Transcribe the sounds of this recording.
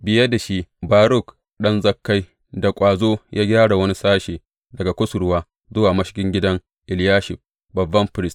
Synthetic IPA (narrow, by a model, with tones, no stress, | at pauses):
bɪ˨jɐ˦da˨ʃi˦baː˨ɾʊ˦˨k | ɗɐ˦nzɐ˦kːa˦j | da˨kʷʼaː˨zoː˦jʔaː˦ɡʲaː˦ɽa˨wɐ˦ni˦saː˦ʃeː˨ | dɐ˨ɡa˨kʷʊ˦sʊ˨ɽwaː˦ | zʊ˦waː˨mɐ˦ʃɪ̥˦kʲɪ˦ŋɡʲɪ˦dɐ˦ŋ | ʔɪ˨ljaː˦ʃɪ˨ɸ | bɐ˨bːɐ˦mɸɪ˨ɾɪ˦st